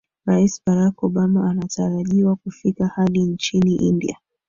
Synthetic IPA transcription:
ɾaisɓaɾakɔɓamaːnataɾaʄiwakufikahaɗint͡ʃiniʔindḭa̰

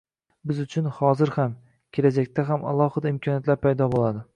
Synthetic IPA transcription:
bɪzʊt͡ʃʰʊnhɒzɪɾham | kʲʰelad͡ʒakʲt̪ʰaɦama̰lˠɒhɨd̪aɪmkʰɒnijat̪laɾpʰajd̪ɒbolˠad̪ɪ

